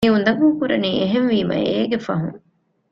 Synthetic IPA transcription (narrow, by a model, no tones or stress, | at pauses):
iund̪ɐɡuːkuɾɐniːeɦenʋiːmɐ̰eːɡefɐɦuŋ